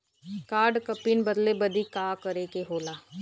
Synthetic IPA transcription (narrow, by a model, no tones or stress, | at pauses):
kaːɖkəpiːnbəd̪leːbəd̪iːkaːkəɾeːkeɦoːlaː